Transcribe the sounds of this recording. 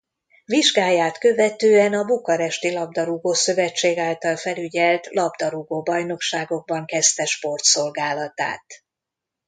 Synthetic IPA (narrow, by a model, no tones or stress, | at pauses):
viʒɡaːjaːt̪kø̞vɛt̪øːɛnɒbukɒɾɛʃt̪ilɒb̚d̪ɒɾuɡoːsø̞vɛt͡ʃːeːɡaːlt̪ɒlfɛlyɟɛlt̪lɒbd̪ɒɾuɡoːbɒjno̞kʃaːɡo̞ɡ̚bɒŋkɛst̪ɛʃpo̞rt̪so̞lɡaːlɒt̪a̰ːt̪